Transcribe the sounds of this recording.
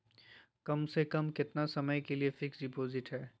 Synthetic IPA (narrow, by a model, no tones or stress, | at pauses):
kɐmsekɐmkɪt̪nasɐməjkeliefʰɪksɖɪpoːzɪʈɦɛː